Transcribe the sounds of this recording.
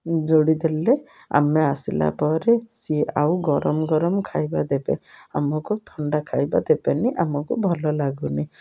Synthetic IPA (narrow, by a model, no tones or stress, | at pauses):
d͡ʒoɽid̪ele | a̰measila̰pɔɾesia̰wɡɔɾɔmɔɡɔɾɔmkʰajbad̪ebḛa̰mɔkut̪ʰɔɳɖakʰajbad̪ebeniʔamɔkubʱɔlɔlaɡuni